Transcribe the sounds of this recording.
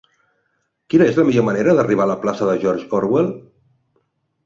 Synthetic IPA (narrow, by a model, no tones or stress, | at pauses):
kinəezləmiʎoməneɾəðəriβ̞aləplasəðəʒɔɾʒɔɾwelˠ